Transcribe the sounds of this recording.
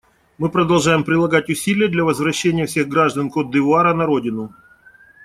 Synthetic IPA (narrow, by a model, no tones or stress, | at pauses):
mɨpɾəd̪ɐlˠʐajɪmpɾʲɪlˠɐɡatʲʊsʲilʲɪjəd̪lʲɐvəzvɾɐɕːenʲɪjəfsʲe̞ɣɡɾaʐd̪ənkod̪ːɨʊaɾənɐɾo̞dʲɪnʊ